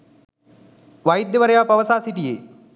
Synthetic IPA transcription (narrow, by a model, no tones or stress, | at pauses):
ʋɐjid̪jɐʋɐɾɐjaːpɐʋəsaːsiʈijḛː